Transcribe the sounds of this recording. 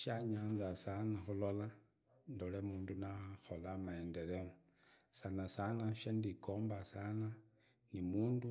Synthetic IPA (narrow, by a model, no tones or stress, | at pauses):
ʃaɲand͡zasanaxulola | ndolemuːndunaxolamaendeɾemo | sanasanaʃandikoːmbasana | nimuːndu